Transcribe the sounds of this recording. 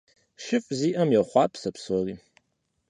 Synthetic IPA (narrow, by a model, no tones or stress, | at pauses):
ʃɪfʼziːʔɐmjɛχʷɑːpʰsɐpsɔriː